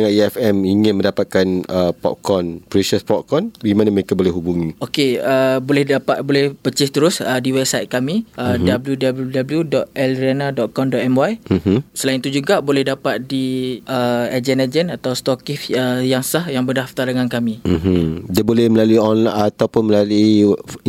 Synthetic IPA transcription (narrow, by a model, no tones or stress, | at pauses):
aŋaʔ̚iɛfɛmiŋɪ̃nmə̃ndapat̪̚kanəpɔ̰ʔkɔnpɾesəspɔʔ̚kɔnbimãnaməɾekabolɛhɦubuŋĩokeəbolɛhdapat̪̚bolɛhpət͡ʃɪht̪əɾʊsədiwɛb̚sajt̪̚kamĩədabəljudabəljudabljudɔt̪ɛlɾianadɔʔ̪̚kɔndɔʔɛmwajm̩msəlaint̪ud͡ʒuɡabolɛhdapat̪̚diəad͡ʒɛnad͡ʒɛnat̪awst̪ɔkifəjaŋsahjaŋbərdaft̪aɾdəŋankamĩmdiabolɛhməlaluiɔnlaat̪awpʊnməlalui